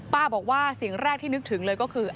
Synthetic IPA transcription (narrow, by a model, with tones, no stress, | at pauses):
paː˥˩bɔː˨˩k̚waː˥˩si˨˩ŋɾɛː˥˩k̚t̪ʰiː˥˩nɯ˦˥k̚t̪ʰɯ˩˦ŋlɤː˧jkɔː˥˩kʰɯː˧ʔ